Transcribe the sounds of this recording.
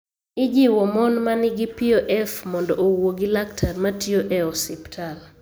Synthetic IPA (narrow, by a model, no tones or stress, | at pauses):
ɪd͡ʒɪwɔmɔnmanɪɡɪpiɔʔɛfmɔndɔʔowoɡilaktʰarmatjoʔɛɔsiptʰal